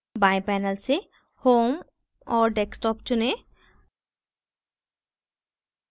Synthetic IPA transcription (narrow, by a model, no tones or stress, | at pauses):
bajpɛnalse | hom | ɔɹɖeksʈɔpt͡ʃune